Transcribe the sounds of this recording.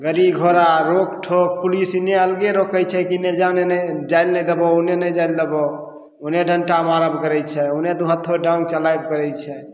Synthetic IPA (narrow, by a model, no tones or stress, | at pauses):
ɡəɾibɡʱoɾaɾokʈʰok̚pulisineəlɡeɾokʰəjt͡ʃʰɛkined͡ʒanend͡ʒajlnɛd̪ebounenəd͡ʒaild̪ebɔ | uneɖʱənʈamaɾəbʱkəɾɛt͡ʃʰɛuned̪uɦət̪ʰːoɖãŋɡt͡ʃəlajb̚kəɾɛjt͡ʃʰɛ